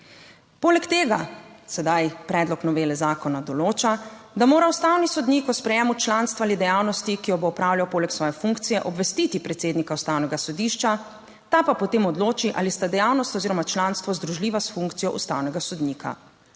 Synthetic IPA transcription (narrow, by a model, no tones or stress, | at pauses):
poːlɛkt̪eːɡasɛd̪ajpɾɛːd̪lɔknɔʋeːlɛzaːkɔnad̪ɔloːt͡ʃad̪amoːɾaust̪awnisɔd̪niːkɔspɾɛjɛːmut͡ʃlanst̪ʋalid̪ɛjaːwnɔst̪ikijɔboːpɾaːwljawpoːlɛksʋɔːjɛfuŋkt̪sijɛʔɔbʋɛst̪it̪ipɾɛt̪seːd̪nikaust̪awnɛɡasɔd̪iʃt͡ʃa | t̪apapɔt̪eːmɔd̪loːt͡ʃiʔa̰list̪ad̪ɛjawnɔst̪ɔziːɾɔmat͡ʃlanst̪ʋɔzd̪ɾuʒliːʋasfuŋkt̪sijɔʔṵst̪awnɛɡasɔd̪nikʰa̰